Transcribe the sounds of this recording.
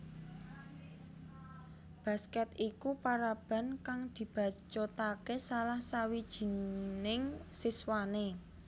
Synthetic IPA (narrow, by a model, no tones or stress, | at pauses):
b̥ä̤skɛt̪ikupaɾab̥a̤nkaŋd̪̥i̤b̥ä̤t͡ʃot̪akesalahsawid̥ʒ̥i̤nɪŋsiswane